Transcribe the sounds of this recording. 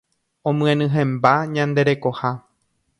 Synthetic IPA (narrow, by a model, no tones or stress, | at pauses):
õmɨ̃ẽnɨ̃ɦẽmbaɲãnd̪e̞ɾe̞ko̞ha